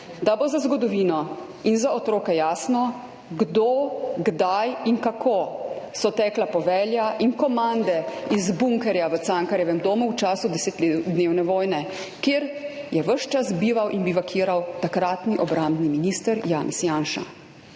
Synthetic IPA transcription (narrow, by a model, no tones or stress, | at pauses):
d̪abozazɡɔd̪ɔʋiːnɔ | inzaɔt̪ɾoːkɛjaːsnɔ | ɡd̪oɡd̪ajiŋkakʰosɔt̪ɛːklapɔʋɛːljaʔinkɔmand̪ɛizbuŋkɛɾjaʋəaːŋkaɾjɛʋɛmd̪oːmuwt͡ʃaːsud̪ɛseːt̪ld̪neːwnɛʋɔːjnɛ | kjeːɾjɛʋəʃt͡ʃasbiːʋawʔinbiʋakʰiːɾawt̪akɾaːt̪niʔɔbɾamd̪niminist̪əɾjaːnʔɛsjaːnʃa̰